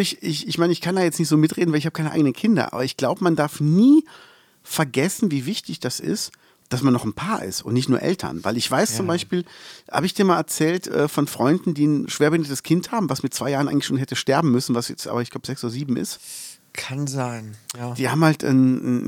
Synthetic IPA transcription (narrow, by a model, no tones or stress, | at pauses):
ɪçɪçɪçmaɪnəɪçkʰandaːjɛt͡snɪçtz̥oːmɪtʁ̥eːdn̩vaɪlɪçhaːbəkʰaɪnəʔaɪɡənənkʰɪndɐ̰ʔa̰ːbɐɪçɡ̥laʊbəmandaɐfniː | fɛɐɡɛsn̩viːvɪçtɪçd̥asɪ̰st | d̥asmanːɔχn̩pʰaːɐʔɪ̰stʔʊ̰ntnɪçtnuːɐʔɛ̰ltʰɐ̰nva̰ɪlɪçv̥aɪst͡sʊmbaɪʃpiːlha̰ːbəɪçd̥iːɐmaːlɛɐt͡sɛːltʔɛ̰ːfɔnfʁ̥ɔʏndn̩diːnʃv̥eːɐbɪndədəskʰɪnthaːbm̩vasmɪt̚t͡sv̥aɪjaːʁənʔaɪŋlɪʃoːnɦɛtəʃtɛɐbm̩mʏsn̩vasjɛt͡stʔa̰ːbɐɪçɡ̥laʊbəz̥ɛksoːdɐziːbm̩ʔɪ̰st | kʰanzaɪnad̥iːhaːbmhaltnn